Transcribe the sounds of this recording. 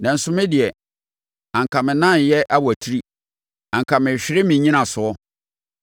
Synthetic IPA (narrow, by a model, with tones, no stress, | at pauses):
nã˨n̩˨sʊ˦mɪ̃˦dɪ˨ɛ˨ | ã˨ŋkʰã˨mɪ̃˨nã˦˨jɛ˦ʔa˦wæ˨tʰi˦ɾi˦ | ã˨ŋ˨kʰã˨mɪ̃˨ɕᶣɪ˦ɾɪ˦mĩ˨ɲĩ˦nã˨sʊ˨ɔ˦